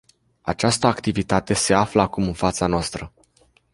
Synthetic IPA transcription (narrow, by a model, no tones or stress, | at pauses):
a̰t͡ʃast̪əakt̪ivit̪at̪e̞se̞afləakumɨnfat̪sanoast̪ɾə